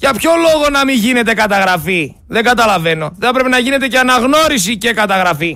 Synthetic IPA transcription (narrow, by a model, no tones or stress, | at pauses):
ʝɐpço̞lo̞ɣo̞nɐmiʝine̞t̪e̞kɐt̪ɐɣɾɐfi | ðe̞ŋɡɐt̪ɐlɐve̞no̞θθɐpɾepenɐʝine̞t̪e̞ceɐnɐɣno̞ɾis̬ice̞kɐt̪ɐɣɾɐfi